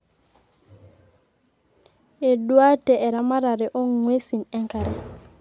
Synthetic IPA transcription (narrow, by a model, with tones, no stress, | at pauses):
e˨dwa˦te˨e˨ɾa˨ma˦ɾa˨ɾe˨ʔo˦ŋŋwe˦si˨ne˦ŋka˨ɾe˨